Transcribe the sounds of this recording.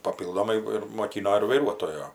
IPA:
pɐˈpʲiːlˠdoːmɐɪ ɪr moːˈkʲiːnoː ɪr ʋɐɪˈruɔtoːjoː

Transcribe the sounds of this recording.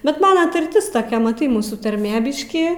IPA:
bʲɛt ˈmɑːnɐ tɐrʲˈtʲɪs toːˈkʲɛ mɐˈtɐɪ ˈmuːsuː tɐrʲˈmʲeː ˈbʲɪʃʲkʲiː

